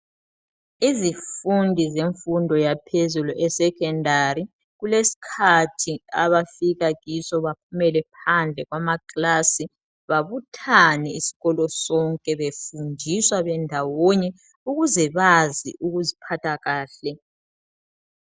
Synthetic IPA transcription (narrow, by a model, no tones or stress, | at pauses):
izifundʱizeɱfundʱɔjapʰezuluʔɛsɛkɛndʱaɾi | ɣulesi̥kʰatʰiaβafiɣaɣisɔβap̚ʰumɛlɛpʰand͡ɮʱɛɣwamaklasi | βaβutʰanɛisi̥ɣɔlɔsɔŋkʼɛβefundʱiswaβɛndʱawoɲɛ | uɣuzɛβazḭʔuɣuzipʰatʰaɣaːɬɛ